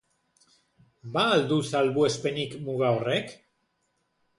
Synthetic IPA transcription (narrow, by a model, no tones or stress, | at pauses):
baːld̪usalβue̞spe̞nikmuɣaore̞k